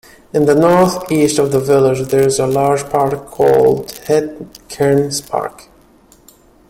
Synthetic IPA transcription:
ɨ̃nðənɔɹθistʌvðəvɪlˠɪd͡ʒðə˞ɨzəlɑɹd͡ʒpʰɑɹkʰːɔ̰lˠdhɛd̚kʰɛɹnspʰɑ̰ɹk

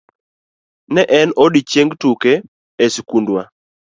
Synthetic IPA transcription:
nɛʔɛnoɗit͡ʃeŋɡtuke | eskundwa

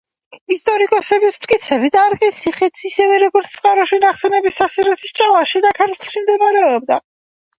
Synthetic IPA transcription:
ist̪ʼɔɾikʼɔsɛbismt̪̚ʼkʼit̪sʰɛbid̪aːɾkʼit̪sʰiχit̪sisɛvɛɾɔɡɔɾt̪sʰt̪ʼqʼaɾɔʃinaχsɛnɛbisasiɾɛsʰist͡ʃʼalˠaʃid̪akʰaɾt̪ʰlˠʃimd̪ɛmaɾɛɔb̚d̪a

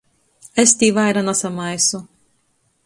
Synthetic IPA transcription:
est̪ʲiːvajɾanasamajsu

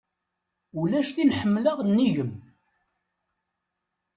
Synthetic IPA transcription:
ulæʃθinħəmːləʁnːiʝəm

